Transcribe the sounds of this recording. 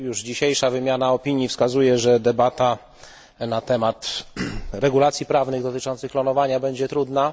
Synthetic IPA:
juʐd͡ʑiɕejʂavɘmʲjanaɔpʲiɲjifskazujɛʐɛd̪ɛbat̪a | nat̪ɛmat̪ | ɾɛɡulat̪sʲjipɾavnɘɣd̪ɔt̪ɘt͡ʂɔnt̪sɘxklɔnɔvaɲabɛɲd͡ʑɛt̪ɾud̪na

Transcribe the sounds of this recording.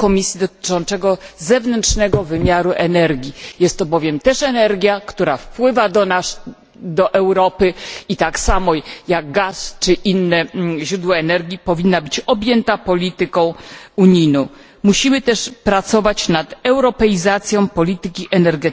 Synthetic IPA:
kɔmʲisʲjid̪ɔt̪ɘ̥t͡ʂɔ̃nt̪sɛɡɔzɛvnɛntʂnɛɡɔvɘmʲjaɾuʔɛnɛɾɡʲijɛst̪ːɔbɔvʲjɛmt̪ɛʂɛnɛɾɡʲjakt̪uɾafpwɘvad̪ɔna | d̪ɔʔɛwɾɔpɘit̪aksamɔjaɡ̚ɡast͡ʂɘʔinːɛʑɾud̪wɔɛnɛɾɡʲipɔvʲinːabɘt͡ɕɔbʲjɛnt̪apɔlʲit̪ɘkɔ̃w̃uɲijnɔ̃w̃ | muɕimɘt̪ɛʂpɾat̪sɔvat͡ɕnat̪ɛwɾɔpɛjizat̪sʲjɔ̃w̃pɔlʲit̪ɘkʲiʔɛnɛɾɡɛt̪

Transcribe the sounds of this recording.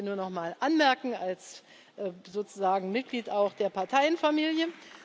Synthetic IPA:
nuːɐnɔχmaːlʔanmɛɐkŋ̩als | ʔzoːt͡suzaːɡŋ̩mɪt̚ɡ̥liːtaʊxd̥eːɐpʰaɐtʰaɪənfamiːljə

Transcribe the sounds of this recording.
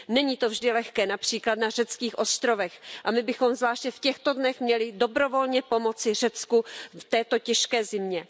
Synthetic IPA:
nɛɲiːt̪o̞vʒdɪlɛxkɛːnapr̝̥iːklat̪nar̝ɛt͡skiːxʔo̞st̪ɾovɛxʔamɪbɪxo̞mzvlaːʃɲɛfcɛxt̪o̞dnɛxmɲɛlɪdo̞bɾo̞vo̞lɲɛpo̞mo̞t͡sɪr̝ɛt͡skuft̪ɛːt̪o̞cɛʃkɛːzɪmɲɛ

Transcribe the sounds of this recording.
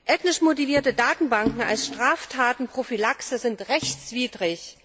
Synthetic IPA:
ʔɛtnɪʃmotiviːɐtədaːtn̩baŋkŋ̩a̰lsʃtʁ̥aːftʰaːtn̩pʁ̥ofilaksəzɪntʁɛçt͡sv̥iːdʁɪç

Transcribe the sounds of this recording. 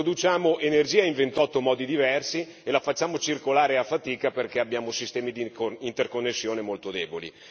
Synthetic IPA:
od̪ut͡ʃaːmoʔenerd͡ʒiːaiɱvent̪ɔt̪ːomɔːd̪id̪ivɛrsielafat͡ʃːaːmot͡ʃirkolaːɾeafːat̪iːkaperkeabːjaːmosist̪ɛːmid̪ikoint̪erkonːesːjoːnemolt̪od̪ɛːbolḭ

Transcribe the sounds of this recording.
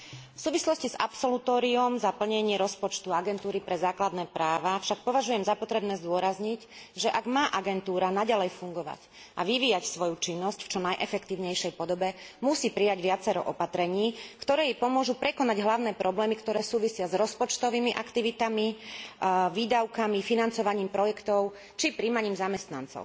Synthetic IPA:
fsuːʋislɔsciza̰psɔlut̪ɔːɾiɔmzapl̩ɲɛɲɪɛɾɔspɔt͡ʃt̪uaɡɛnt̪uːɾipɾɛzaːklad̪nɛːpɾaːʋafʃak̚pɔʋaʒujɛmzapɔt̪ɾɛbnɛːzd̪ʊɔɾazɲiɟʒɛʔaɡmaːʔaɡɛnt̪uːɾanaɟalɛjfuŋɡɔʋa̰c | ʔaʋiʋiːjacsʋɔjut͡ʃinːɔscft͡ʃɔnajʔɛfɛkt̪iːʊɲɛjʃɛjpɔd̪ɔbɛmusiːpɾijaɟʋɪat͡sɛɾɔ̰ʔɔpat̪ɾɛɲiːkt̪ɔɾɛːjipɔmʊɔʒupɾɛkɔnaɟɦlaʊnɛːpɾɔblɛːmikt̪ɔɾɛːsuːʋisɪazɾɔspɔt͡ʃt̪ɔʋiːmiʔakt̪iʋit̪ami | ʋiːd̪aʊkamifinant͡sɔʋaɲiːmpɾɔjɛkt̪ɔʊ | t͡ʃipɾiːmaɲiːmzamɛst̪na̰nt͡sɔ̰ʊ

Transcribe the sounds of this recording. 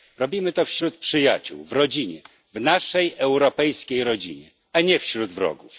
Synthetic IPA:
ɾɔbʲimɘt̪ɔfɕɾut̪̚pʂɘjat͡ɕṵwvɾɔd͡ʑiɲɛ | vnaʂɛjɛwɾɔpɛjskʲejɾɔd͡ʑḭɲɛ | aɲɛfɕɾud̪vɾɔ̰ɡuf

